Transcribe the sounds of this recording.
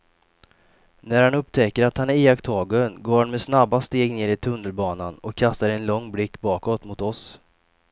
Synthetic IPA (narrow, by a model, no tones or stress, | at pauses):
næɾhanɵpt̪ʰɛkːəɾat̪hanæɾeːakt̪ʰɑːɡʊənɡoːɾhanmɛsnabːast̪eːɡneːɾɪt̪ʰɵnːəlbɑːnanɔkʰːast̪aɾɛnlɔŋːblɪkːbɑːkɔt̪mʊt̪ɔs